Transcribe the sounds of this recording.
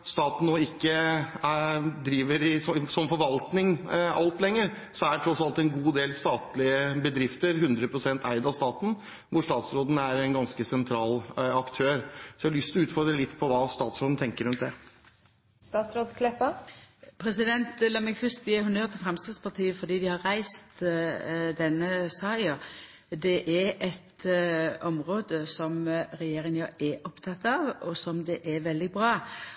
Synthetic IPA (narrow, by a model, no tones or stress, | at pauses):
st̪ɑːt̪n̩noːɪkːə | d̪ɾiːʋəɾɪsɔsɔmfɔɾʋɑlt̪nɪŋɑlt̪lɛŋːəɾ | sɔæʈʰɾɔsːɑlt̪ɛnɡuːd̪eːlst̪ɑːt̪lɪəbəd̪ɾɪft̪əɾɦʉnd̪ɾəpʰɾʊsɛnt̪ʰæɪd̪ɑʋst̪ɑːt̪n̩ | ʋʊʂt̪ɑːt̪sɾoːd̪n̩æɾɛnɡɑnskəsɛnt̪ʰɾɑːlɑkt̪ʰøːɾsɔæɑlʏst̪ʰɪɔʉːt̪fɔɾd̪ɾəlɪt̪ːpʰɔʋɑːst̪ɑːt̪sɾoːd̪n̩t̪ʰɛŋkəɾʉnt̪d̪ɛ | st̪ɑːt̪sɾoːd̪kʰlɛpəpʰɾɛsɪd̪ɛnt̪lɑːmɛɡfœst̪eːhʉnøːʁt̪ʰɪlfɾɛmst̪ɑːd̪spɑt̪ʰiːəfɔd̪iːd̪ɪhɑɾːæɪst̪ | d̪ɛnːəsɑːə | d̪ɛʔɛɾɛt̪ | ɔmʁoːd̪əsɔmɾɛjeːɾɪŋjøːɛʔɔpt̪ʰɑt̪ːɑʋɔsɔmd̪ɛʔɛʋɛld̪ɪbɾɑː